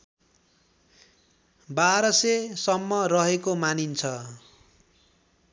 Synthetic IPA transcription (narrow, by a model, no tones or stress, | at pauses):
baɾʌsesʌmːʌrʌɦekomanint͡sʰʌ